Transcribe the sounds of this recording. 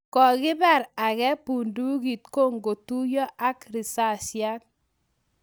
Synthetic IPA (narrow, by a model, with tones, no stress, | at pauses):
kɔ˨ɣɪ˦ba˦˨ɾa˨kɛ˦pu˨ndu˦ɡi˨tko˦˨ŋɡo˨tu˦jɔ˦ʔa˦kɾi˨sa˦˨sja˦t